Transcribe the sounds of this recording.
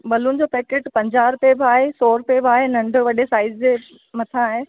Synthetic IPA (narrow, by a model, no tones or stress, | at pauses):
bɐlʊnɪ̆d͡ʑoːpɛːkeːʈpɐ̃ɲd͡ʑaːɾʊpebaːɦesoːɾʊpebaːɦenɐ̃ɳɖʱʊʋɐɗesaːɪd͡ʑd͡ʑe | mɐt̪ʰãaːɦe